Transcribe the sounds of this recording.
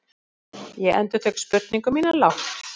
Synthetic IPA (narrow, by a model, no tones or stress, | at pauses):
jɛʔɛ̰nt̪ʏɾ̥t̪ʰœːkspʏɾt̪niŋkʏmːiːnalawht̪